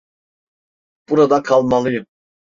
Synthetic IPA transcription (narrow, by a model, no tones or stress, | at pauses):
b̥uɾad̪akʰalˠmalˠɯjɯm